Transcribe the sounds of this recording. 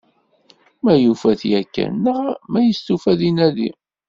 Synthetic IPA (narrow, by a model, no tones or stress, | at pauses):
mæjufæθjækːæ̰nːəʁmæjəst̪ufæðinæðḭ